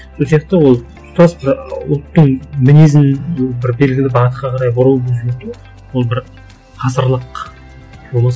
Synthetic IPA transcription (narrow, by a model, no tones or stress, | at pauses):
so̞lsijɑq̚t̪ɑwo̞lˠ | st̪ɑsbɪɾʊ̰lˠt̪ːəɴmɪnezɪnobɪɾbe̞lɡʲɪlʲɪbɑʁət̪qɑqʰɑɾɑjbʊɾuwbɵzjet̪ɪ | wolˠbɪɾ | qʰɑzəɾlˠəq | ʒolˠəs